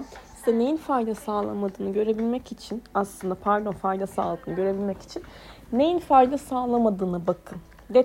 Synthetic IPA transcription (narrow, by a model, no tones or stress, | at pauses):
i̥d̪ɛnejinfajd̪asaːlˠa̰mad̪ɯːnɯɟø̞ɾe̞bilʲmɛcit͡ʃʰinaslˠɯnd̪apʰaɾd̪o̞nfajd̪asa̰ːlˠɯːnɯɟø̞ɾe̞bilʲmɛci̥t͡ʃʰinː | ejinfajd̪asaːlˠamad̪ɯːnɯbakʰɯn | d̪e